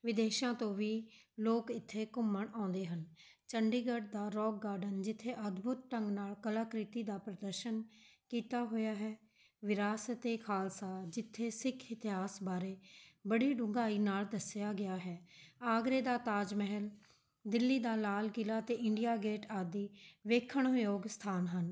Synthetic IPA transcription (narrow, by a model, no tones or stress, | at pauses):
ʋɪd̪eːʃãːt̪õːʋiː | loːkɪt̪ʰːeːkʊməɳãːnd̪eːɦən | t͡ʃəɳɖiːɡəɖ̚d̪aːɾɔːk̚ɡaːɾɖənd͡ʒɪt̪ʰːeːʔəd̪bʱʊt̪̚ʈəŋɡnaːlkəlaːkɾɪt̪iːd̪aːpɾəd̪əɾʃənkiːt̪aːɦoːjaːɦɛː | ʋɪɾaːsət̪eːkʰaːlsaːd͡ʒɪt̪ʰːeːsɪkʰɪt̪ɪɦaːsbaːɾeːbəɽiːɖʊ̃ŋɡaːiːnaːld̪əsɪjaːɡɪaːɦɛːaːɡɾeːd̪aːt̪aːd͡ʒmɛɦəl | d̪ɪlːiːd̪aːlaːlkɪlaːt̪eːʔɪɳɖijaːɡeːʈaːd̪iːʋeːkʰːəɳjoːɡst̪ʰaːnɦən